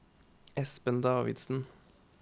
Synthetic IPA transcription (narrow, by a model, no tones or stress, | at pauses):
ʔɛspənd̪ɑːʋɪ̰d̪sn̩